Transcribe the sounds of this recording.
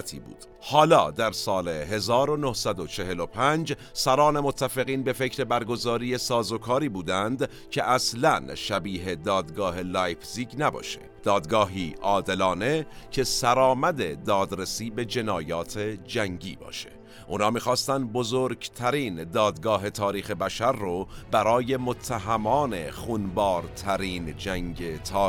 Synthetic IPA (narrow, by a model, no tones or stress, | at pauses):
t̪ʰḭːbṵːd̪̥ | hɒːlɒ̰ːd̪æɾsɒːle̞he̞zɒːɾo̞nohsæd̪o̞t͡ʃʰe̞he̞lopʰænd͡ʒ | sæɾɒːne̞mot̪ʰːæfeɣiːnbe̞fe̞cʰɾe̞bæɾɡo̞zɒːɾiːe̞sɒːzo̞kʰɒːɾiːbuːd̪ænd̪ | cʰeʔæslænʃæbiːɦe̞d̪ɒːd̪ɡɒːhe̞læːjfziːɟnæbɒ̰ːʃe̥̰ | d̪̥ɒːd̪ɡɒːɦiːʔɒːd̪e̞lɒːne̞cʰe̞sæɾɒːmæd̪e̞d̪ɒːd̪ɾesiːbe̞d͡ʒe̞nɒːjɒːt̪ʰed͡ʒæŋɟiːbɒ̰ːʃḛ | ʔuːnhɒːmiːxɒːst̪ænd̪̚bozoɾɟt̪ʰæɾiːnd̪ɒːd̪ɡɒːɦe̞t̪ʰɒːɾiːxe̞bæʃæɾːobæɾɒːje̞mot̪ʰːæɦæmɒːne̞xuːnbɒːɾt̪ʰæɾiːnd͡ʒæŋɟe̞t̪ʰɒː